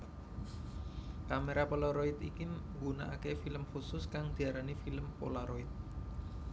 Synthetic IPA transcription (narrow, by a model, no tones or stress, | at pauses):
kameɾapəloɾoit̪ikiŋɡuna̰ʔa̰kefiləmxusʊskaŋd̪̥i̤aɾanifiləmpo̰laɾoit̪̚